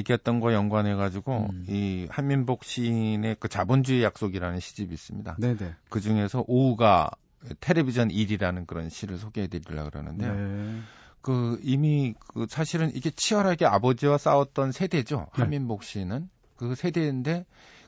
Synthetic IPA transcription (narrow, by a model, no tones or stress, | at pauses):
eɡjʌt̚t͈ʌnɡwajʌŋɡwanɦe̞ɡad͡ʑiɡo̰ihanminbok̚ɕ͈ine̞kɯt͡ɕabond͡ʑuejak̚s͈oɡiɾanɯnɕʰid͡ʑibiːs͈ɯmɲida̰kɯd͡ʑuŋe̞sʰʌʔouɡa̰ | etʰe̞ɾe̞bid͡ʑʰʌniɾiɾanɯnkɯɾʌnɕʰiɾɯɭsʰoɡeɦedeɾiɭːa̰ɡɯɾa̰nɯ̰ndejo | kɯimikɯsʰaɕʰiɾɯnʔiɡe̞t͡ɕʰiʌɾɦaɡe̞abʌd͡ʑiwas͈aʌt̚t͈ʌnsʰe̞de̞d͡ʑo̰hanmːinbok̚ɕ͈inɯn | kɯsʰe̞de̞nde̞